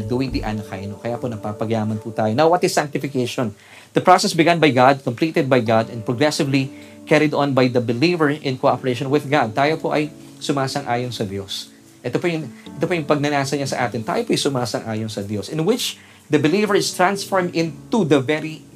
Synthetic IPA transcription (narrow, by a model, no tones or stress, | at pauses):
d̪uːɪŋd̪iʔanɐka̰jnokɐjaːponɐɡ̚papɐɡjaːmɐnput̪aːjonawwɐt̪ɪssãŋk̚t̪ɪfɪkejʃõn | d̪̥ɐpɹosɛsbɪɡãnbɐjɡad̪̚kõmplit̪ɛd̪̚bɐjɡad̪ɛn̚pɹoɡɹɛsɪvli | kɛɹɪd̪ɔ̃nbajd̪ɐbɪlivəɹʔɪ̃nkoʔopɛɹejʃɔ̃nwɪðɡad̪̚t̪aːjopoʔɐj | sʊmaːsɐŋʔaːjonsɐd̪jos | ʔɛt̪opojʊŋʔɛt̪opojʊŋpɐɡ̚nɐnaːsɐɲasɐʔa̰ːt̪ɪnt̪a̰ːjopoʔɐjsʊmaːsɐŋʔaːjonsɐd̪josɪ̃nwɪt͡ʃ | d̪ɐbɪliːvəɹɪst̪ɹãnsfoɹmd̪ɪ̃nt̪ud̪ɐvɛɹi